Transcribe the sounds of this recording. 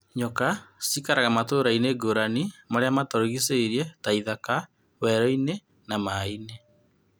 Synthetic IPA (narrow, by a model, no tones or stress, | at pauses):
ɲɔkasikaɾaɣamatoːɾaineɡoɾanimaɾeamatɔɾoɣiseɾiɛtaiðaka | wɛɾɔine | namaine